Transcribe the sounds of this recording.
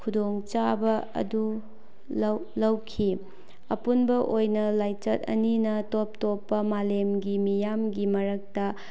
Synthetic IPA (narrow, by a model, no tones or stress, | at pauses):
kʰudoŋt͡ʃabɐɐ̰du | lɐwlɐwkʰi | ɐpunbɐʔojnɐlajt͡ʃɐt̚ɐ̰ninɐtop̚topːɐmalemɡimijamɡimɐɾɐk̚tɐ